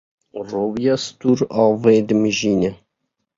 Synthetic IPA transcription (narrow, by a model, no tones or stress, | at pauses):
roːvijɑːst̪uːɾɑːved̪ɨmɨʒiːnɛ